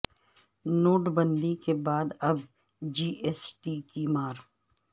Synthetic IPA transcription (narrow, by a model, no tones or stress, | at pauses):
noːʈbə̃nd̪ikebaːd̪ɐb | d͡ʒiːʔesʈikimaːɾ